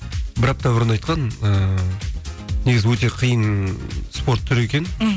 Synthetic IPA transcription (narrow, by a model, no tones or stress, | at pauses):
bɪɾɑp̚t̪ɑbʊɾənɑjt̪qʰɑnə | neɡʲɪzɪwɵt̪e̞qʰijənspo̞ɾt̪ʰːʏɾe̞kʲe̞n